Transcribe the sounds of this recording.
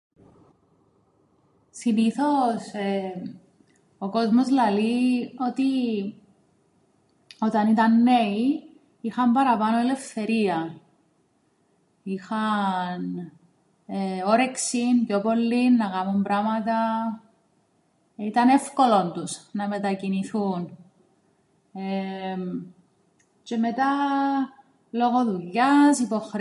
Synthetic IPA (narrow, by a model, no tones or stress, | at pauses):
siniθo̞se | oko̞zmo̞zlɐlio̞t̪i | o̞t̪ɐnit̪ɐnːe̞i | ixɐmbɐɾɐpɐno̞ele̞fθe̞ɾiɐ | ixɐn | eoɾeksind͡ʒopolːinːɐɣɐmumbɾɐmɐt̪ɐ | it̪ɐne̞fko̞lont̪usnɐme̞t̪ɐciniθun | e | ce̞met̪ɐ | lo̞ɣo̞ðuʎːɐsipo̞xɾ